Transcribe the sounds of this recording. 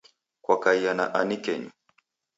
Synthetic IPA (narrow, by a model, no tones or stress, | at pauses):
kwakaijana̰ʔanikɛɲu